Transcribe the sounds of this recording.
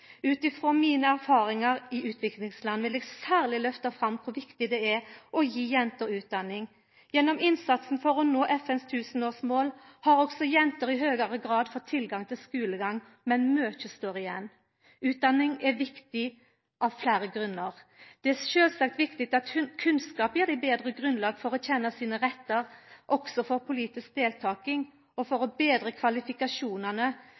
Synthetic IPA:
ʉːt̪ɪfʁoːmiːnəæɾfɑːɾɪŋɑɾɪʔʉːt̪ʰʋɪklɪŋslɑnːʋɪlɛɡsæːʁlɪlœft̪ɑfʁɑmkʰʊɾʋɪkt̪ɪd̪ɛɛʔɔjiːjɛnt̪əɾʉːt̪̚d̪ɑnːɪŋ | jɛnːɔmɪnsɑt̪sn̩fɔʁɔnoːʔɛfɛnst̪ʰʉːsən̩oːsmoːlhɑɾɔɡsɔjɛnt̪əɾɪhøːɡəɾəɡɾɑːd̪fɔt̪ʰːɪlɡɑŋt̪ʰɪlskʉːləɡɑŋ | mɛnmøːçəst̪oːʁɪjɛnː | ʉːt̪̚d̪ɑnːɪŋɛʋɪkt̪ɪ | ʔɑʋflæːɾəɡɾʉnːəʁd̪̥ɛæʃøːlsɑk̚t̪ʋɪkt̪ɪk̚t̪ɑt̪kʰʉnskɑːpjiːɾd̪ɛbeːd̪ʁəɡʁʉnlɑːɡfɔɾɔçɛnːəsiːnəʁɛt̪ːəɾʔɔksɔfɔɾpʰʊliːt̪ɪsk̚d̪eːlt̪ʰɑːkɪŋ | ɔfɔɾɔbeːd̪ʁəkʰʋɑlɪfɪkɑʂuːnənə

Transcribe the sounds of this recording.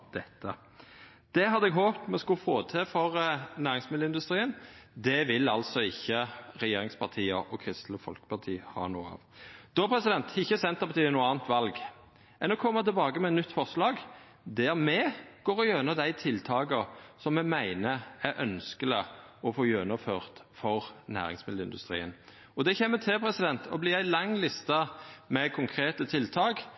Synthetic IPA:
d̪̥ɛt̪ːə | d̪̥ɛhɑd̪əɛɡɦoːpt̪mɛskʉfoːt̪ʰeːfɔʁnæːɾɪŋsmɪd̪l̩ɪnd̪ʉst̪ɾiːənd̪ɛʋɪlɑlsɔɪçːəʁɛjeːɾɪŋspʰɑʁt̪ʰiːə̰ɔkʰʁɪst̪ləfɔ̰lkə̥pʰɑʁt̪ʰḭːhɑ̰ːnṵːəɑ̰ːʋd̪̥oːpʰɾɛsɪd̪ɛnt̪ʰɪçːəsɛnt̪əpʰɑt̪iːənuːəɑːnt̪ʋɑlɡ | ɛnːɔkʰɔmːmət̪ʰɪlbɑːɡəmɛɛt̪nʏt̪ːfɔʁslɑːɡ | d̪æʁmɛɡ̥oːʁɔjøːnəd̪æɪt̪ʰɪlt̪ʰɑːɡəsɔmːɛmæɪnəæɾʔœnskələ | ɔfoːjøːnɑføːʁt̪fɔʁnæ̰ːɾɪ̰ŋsmɪd̪̩ɪnd̪ʉst̪ɾḭːən | ɔd̪ɛçɛmːət̪ʰɪlpʰɾɛsɪd̪ɛnt̪ʰɔblɪːæɪlɑŋːlɪst̪ɑmɛkʰʊŋkʰʁeːt̪ət̪ʰɪlt̪ʰɑːɡ

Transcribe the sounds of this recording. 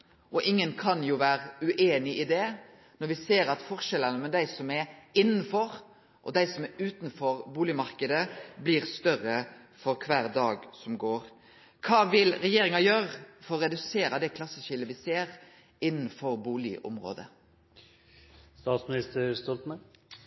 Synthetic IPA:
ʔɔʔɪŋːənkʰɑnjuːʋæːɾəʉʔeːnɪʔɪd̪ɛ | nɔɾʋɪseːɾɑt̪fɔʁʃɛlənəmɛd̪æɪsɔmɛɾɪnːn̩fɔɾ | ʔɔ̰d̪æɪsɔmæɾʉːt̪nfɔɾbuːlɪmɑʁkəd̪əbliːʁst̪œʁə | fɔɾkʰʋæːʁd̪ɑːɡsɔmɡoːɾ | kʰɑːʋɪlɾɛjeːɾɪŋɑjøːɾəfɔɾɔɾɛd̪ʉseːɾɑd̪ɛkʰlɑsːəʃɪləʋɪseːɾ | ɪnːn̩fɔɾbuːlɪ̰ʔɔ̰mʁo̰ːd̪ə̰ | st̪ɑːt̪smnɪst̪əɾst̪ɔlt̪mə

